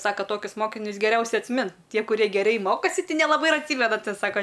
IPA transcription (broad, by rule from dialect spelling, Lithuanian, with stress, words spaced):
ˈsɑːkɐ ˈtoːkʲʊs ˈmoːkʲɪnʲʊs ɡʲɛˈrʲɛʊsʲɛɪ ɐtʲsʲˈmʲɪnt ˈtʲiɛ kʊˈrʲiɛ ɡʲɛˈrʲɛɪ ˈmoːkoːsʲɪ tʲɪ nʲɛlˠɐˈbɐɪ ɪr ɐtʲˈsʲiːmʲɛnɐ ˈsɑːkɐ